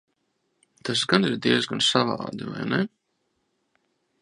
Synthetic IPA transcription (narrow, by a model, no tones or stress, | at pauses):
t̪asɡaniɾd̪iɛzɡansavɑ̰ːd̪iva̰jnɛ